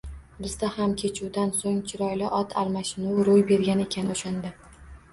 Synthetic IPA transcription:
bɪzd̪ahamkʲʰe̞t͡ʃʰuwd̪ansoŋt͡ʃʰɪɾɒjlɪʔɒt̪ʰa̰lˠmaʃɪnuwɾʊjbe̞ɾɡʲanɪe̞kʲʰanɪoʃand̪ɪ

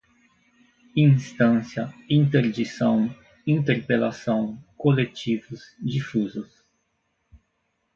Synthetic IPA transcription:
ĩst̪ɐ̃sjɐĩnt̪eɾd͡ʒisɐ̃w̃ | ĩnt̪eɾpelasɐ̃w̃kolet͡ʃivʊzd͡ʒifuzʊs

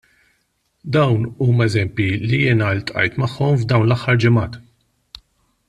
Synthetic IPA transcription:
d̪ɐwnuːmɛzɛmpjilijɪːnɐlt̪ʼʔɐ̰jt̪mɐħːɔmvd̪ɐwnlɐħːɐɾd͡ʒɪmɐːt̪

